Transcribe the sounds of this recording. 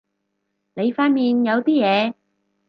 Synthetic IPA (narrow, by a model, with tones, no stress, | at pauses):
ne˨˧jfaː˧nmiː˨njɐ˨˧wt̪iː˥jɛː˨˧